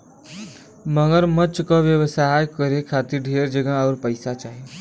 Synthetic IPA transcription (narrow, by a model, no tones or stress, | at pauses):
məŋəɾmət͡ʃkɔʋjəʋsaːjkəɾekʰaːt̪iɾɖʱeɾd͡ʒəɡãɔːɾpəɪsat͡ʃaːɦe